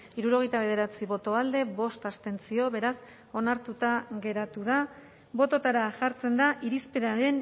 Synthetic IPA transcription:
iɾuɾo̞ɣ̞e̞jt̪aβe̞ð̞e̞ɾat͡siβo̞t̪o̞ald̪e̞βo̞st̪ast̪e̞nt͡sio̞βe̞ɾas | o̞naɾt̪ut̪aɣe̞ɾat̪uða | bo̞t̪o̞t̪aɾaʝaɾt͡se̞nd̪aʔiɾispeɾaɾe̞n

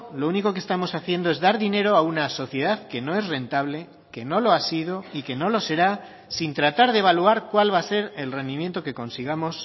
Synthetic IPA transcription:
lo̞uniko̞kest̪amo̞saθje̞nd̪oe̞zðaɾðine̞ɾo̞aunaso̞θje̞ð̞aðke̞no̞e̞sre̞nt̪aβle̞ | ke̞no̞lo̞asið̞o̞ike̞no̞lo̞se̞ɾa | sint̪ɾat̪aɾð̞eβaluaɾkwalβase̞ɾe̞lre̞nd̪imje̞nt̪oke̞ko̞nsiɣ̞amo̞s

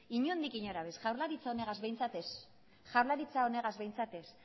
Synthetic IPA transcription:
iɲuand̪ikiɲoɾaβesʝawɾlaɾit͡saone̞ɣazβe̞jnt͡sat̪e̞s | ʝawɾlaɾit͡saone̞ɣazβe̞jnt͡sat̪e̞s

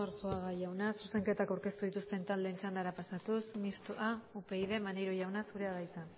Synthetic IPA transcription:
oɾsuaɣaʝawnasuse̞ŋke̞t̪akawɾke̞st̪uð̞it̪ust̪e̞nt̪ald̪e̞ːnt͡ʃand̪aɾapasat̪usmist̪oaupe̞iðe̞maneɾoʝawnasuɾe̞aðajt͡san

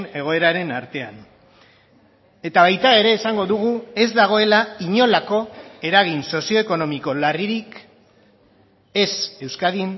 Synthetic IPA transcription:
ne̞ɣ̞o̞e̞ɾaɾe̞naɾt̪e̞a̰n | e̞t̪aβ̞ajt̪ae̞ɾe̞ːsaŋɡo̞ðuɣ̞ue̞zd̪aɣ̞o̞e̞laiɲo̞lako̞e̞ɾaɣ̞inso̞sio̞eko̞no̞miko̞lariɾik | e̞se̞wskaðin

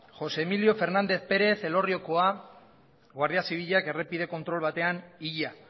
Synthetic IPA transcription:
xo̞seːmilio̞fe̞ɾnand̪e̞θpe̞ɾe̞θe̞lo̞rio̞koa | ɣwaɾð̞iasiβ̞iʎake̞repiðe̞ko̞nt̪ɾo̞lβ̞at̪e̞aniʎa

